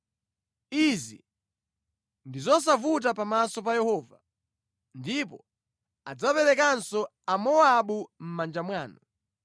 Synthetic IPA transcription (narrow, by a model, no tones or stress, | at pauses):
izḭ | ndizɔs̬avut̬apamasɔpajɛhɔːva | ndipɔ | ad͡zapɛlɛkansɔ | amɔaɓum̩mand͡ʒamwaːnɔ